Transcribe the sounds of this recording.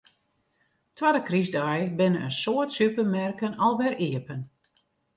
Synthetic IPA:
twadəkrizdɔjbɪnəə̰nsoətsypəmɛrkənɔlˠʋɛriəpən

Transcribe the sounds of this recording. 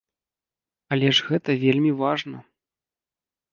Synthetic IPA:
ɐlʲɛʐɣɛt̪ɐvʲelʲmʲivaʐnɐ

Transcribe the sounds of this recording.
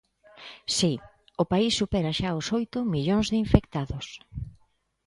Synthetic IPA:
si | ʊpaisːupeɾaʃaosojt̪ʊmiʎoŋzðɪiɱfekt̪aðʊs

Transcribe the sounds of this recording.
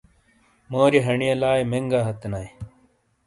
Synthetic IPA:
moːɾiɦɐɳijɐlaːjmeŋɡaːɦɐt̪naj

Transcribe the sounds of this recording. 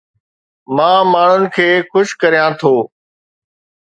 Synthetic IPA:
mãːmaːɳ̤ʊnɪ̆kʰeːxʊʃkəɾijãːt̪ʰoː

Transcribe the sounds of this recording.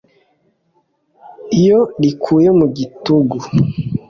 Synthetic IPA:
ijolikʰujemuɡituɡu

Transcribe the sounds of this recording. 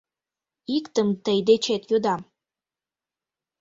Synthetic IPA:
ikt̪əmt̪əjd̪et͡ʃʰet̪jod̪am

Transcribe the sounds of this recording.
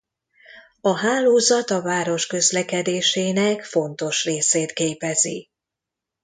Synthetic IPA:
ɒɦaːloːzɒt̪ɒvaːɾo̞ʃkø̞zlɛkɛd̪eːʃeːnɛkfo̞nt̪o̞ʃreːseːt̪keːpɛzi

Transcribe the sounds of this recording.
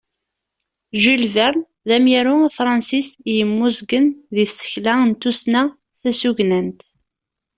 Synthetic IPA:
ʒulvæɾˤ | ðæmjæɾʊfɾˤɑnsisjəmːuzɡənðiθsːə̥çlæənt̪usnæ | θæsuʝnənt̪

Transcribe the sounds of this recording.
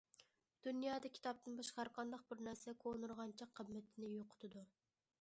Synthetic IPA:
d̪̥unjɑːd̪ɑkʲʰi̥t̪ʰɑp̚t̪ɨnbɑʃqɑɾqʰɑnd̪ɑqbɪɾnæɾsɛkʰonuɾʁɑnt͡ʃʰɑqʰːəbmːɪt̪ʰɪnɪjoqʰʊ̥t̪ʰɨd̪u

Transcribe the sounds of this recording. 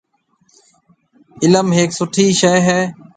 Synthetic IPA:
ɪləmɦeːksʊʈʰiːʃeːɦɛː

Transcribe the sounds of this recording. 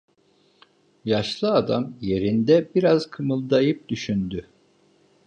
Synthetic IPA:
jaʃlˠɯad̪amje̞ɾind̪ɛbiɾazkʰɯmɯlˠd̪ajɯp̚d̪yʃynd̪y

